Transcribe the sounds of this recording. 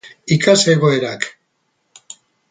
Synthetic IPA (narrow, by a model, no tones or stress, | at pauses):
ikaseɣo̞eɾak